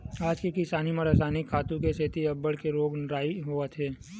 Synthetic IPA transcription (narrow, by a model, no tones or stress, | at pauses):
aːd͡ʒkekɪsaːnimə̃ɾɐsaːnɪkʰːaːt̪ũkeset̪iɐbːəɽkeɾoːɡnɾaːiɦoət̪ʰɦɛː